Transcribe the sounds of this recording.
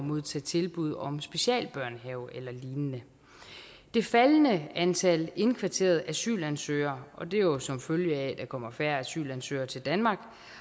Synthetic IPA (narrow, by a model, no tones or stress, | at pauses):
mo̝ð̞ˠt͡sʰɛ̰ːt͡sʰe̝lb̥uð̞̰ˠɒ̽msb̥e̝ɕɛ̰ːlb̥ɶɐ̰nɦɛʊʔelɐliːnənə | d̥e̝fælnəænt͡sʰæle̝nkʰʋɑ̈t͡sʰe̝̰ːɐð̞̩ˠæsy̰ːlænsø̰ːɐʔɒ̽d̥e̝jo̝sɒ̽mføljəæd̥ɑ̈kʰɒ̽m̰ɐfæɐ̰æsy̰ːlænsø̰ːɐt͡sʰe̝ld̥ænmɑ̈ːɡ̥